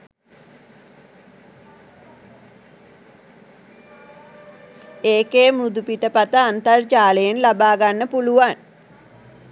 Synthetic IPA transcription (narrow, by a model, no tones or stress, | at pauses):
eːkeːmɾud̪upiʈəpat̪əant̪ərd͡ʒaːləjenlabaːɡanːəpuluʋan